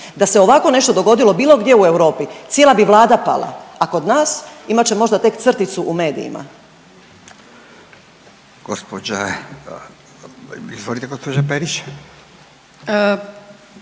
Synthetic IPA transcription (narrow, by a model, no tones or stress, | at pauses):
d̪aseo̞ʋako̞ne̞ʃt̪o̞d̪o̞ɡo̞d̪ilˠo̞biːlˠo̞ɡd̪je̞ue̞wɾo̞ːpit̪sjelˠabiʋlˠaːd̪apa̰lˠa̰ako̞d̪naːsimat͡ɕemo̞ʒd̪at̪e̞kt̪sr̩t̪it̪suʔume̞ːd̪ḭḭma̰ | ɡ̥ospod͡ʒa | izʋolit̪ɛɡospod͡ʒapeɾiʃḁ